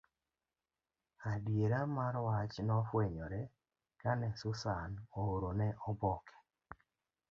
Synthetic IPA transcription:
adjeɾamaɾwat͡ʃnɔfweɲɔɾɛ | kanɛsʊsanooɾonɛʔɔbɔkʰɛ̥

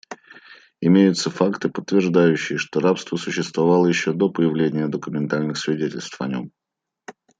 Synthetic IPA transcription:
ɪmʲejʊt̪səfakt̪ɨpət̪ːvʲɪrʐd̪ajʉɕːɪjɪʂt̪oɾapst̪vəsʊɕːɪst̪vɐvalˠəjɪɕːo̞d̪o̞pəjɪvlʲenʲɪjəd̪əkʊmʲɪnt̪alʲnɨxsvʲɪdʲetʲɪlʲst̪fɐnʲom

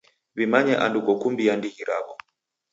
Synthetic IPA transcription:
βimaɲɛʔandukɔkumbijandihiɾa̰βɔ

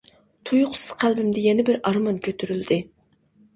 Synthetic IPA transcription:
t̪ʰujʊqsɨ̥z̥qʰælbɪmd̪ɪjɛnɪbɪɾɑɾmɑnkʲʰøt̪ʰyɾyld̪ɪ

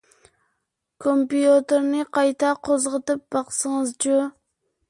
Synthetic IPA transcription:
kʰompijot̪eɾnɨqʰɑjt̪ʰɑqʰozʁət̪ɨp̚bɑqsəŋɨzt͡ʃu

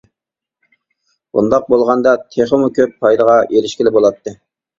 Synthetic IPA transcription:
bṵnd̪ɑq̚bolˠʁɑnd̪ɑt̪ʰeχəmukʲʰøpːʰɑjd̪əʁɑʔelɪʃkʲilɪbolˠɑt̪ʰːɨ

